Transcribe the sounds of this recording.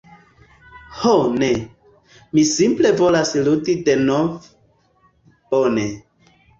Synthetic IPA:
hone | misimple̞vo̞lasludide̞nov | b̥one̞

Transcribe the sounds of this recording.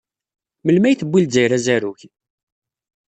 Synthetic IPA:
məlmæjθəbːilzæjɾæzæɾuç

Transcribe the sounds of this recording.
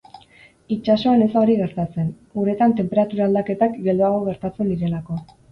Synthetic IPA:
it͡ʃaso̞anesaoɾiɣe̞ɾt̪at͡se̞n | uɾe̞t̪ant̪e̞mpe̞ɾat̪uɾaːld̪ake̞t̪akɡe̞ld̪uaɣ̞o̞ɣ̞e̞ɾt̪at͡se̞nd̪iɾe̞lako̞

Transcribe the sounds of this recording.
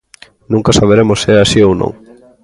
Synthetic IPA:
nũŋkasaβ̞eɾemosːɪɛasiownõ̰ŋ

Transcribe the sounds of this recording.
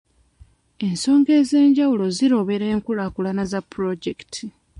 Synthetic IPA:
e̞nso̞ːŋɡe̞ːze̞ːɲɟawulo̞ziɾo̞βe̞ɾe̞ːŋkulakulanazapːuɾo̞ɟektʰi

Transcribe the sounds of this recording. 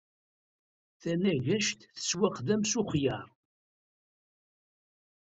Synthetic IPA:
θænæʝæʃt̪θə̥swæqðæmsʊχjəɾˤ

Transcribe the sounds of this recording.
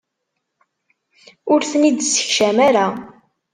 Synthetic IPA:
ʊɾθənid̪sə̥çʃæmæɾa

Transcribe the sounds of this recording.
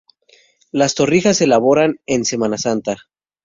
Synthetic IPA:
last̪o̞rixase̞laβo̞ɾane̞nse̞manasant̪a

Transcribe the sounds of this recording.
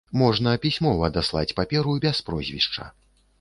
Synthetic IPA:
mɔʐnɐpʲisʲmɔvɐd̪aslˠa̰t͡sʲpapʲɛɾubʲɛspɾɔzʲvʲḭʂt͡ʂɐ̰

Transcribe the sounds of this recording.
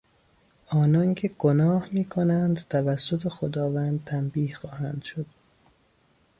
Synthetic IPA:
ɒːnɒːncʰe̞ɡ̥onɒːhmiːkʰonænd̪t̪ʰævæsːot̪ʰexod̪ɒːvænd̪̚t̪ʰæmbiːhxɒːhænd̪̥ʃod̪̥

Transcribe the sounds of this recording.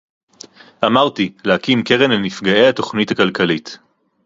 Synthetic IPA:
ʔamaʁtileakimke̞ʁenlenifɡae̞jhato̞χnithakalkʰalit

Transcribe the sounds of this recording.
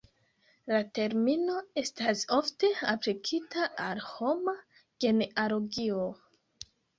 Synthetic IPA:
late̞ɾmino̞e̞stasofte̞aplikʰitaalho̞ma | ɡ̥e̞neʔaɾoɡio

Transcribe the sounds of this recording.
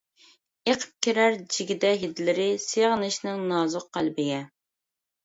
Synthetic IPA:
eqʰə̥p̚kʲʰiɾæɾd͡ʒiɡʲɪd̪ɛɦid̪lɪɾɪseʁnɨʃnɪŋnɑːzʊq̚ːælbɪɡʲɛ

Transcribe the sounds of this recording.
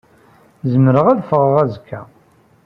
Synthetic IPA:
zəməɾəʁæðfəʁəʁæzkːæ

